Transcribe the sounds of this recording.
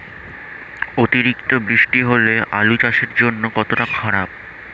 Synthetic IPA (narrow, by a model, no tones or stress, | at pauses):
ot̪iɾikt̪obɾiʃʈiɦoleʔa̰lut͡ɕaʃeɾd͡ʑonːokɔt̪oʈakʰaɾap̚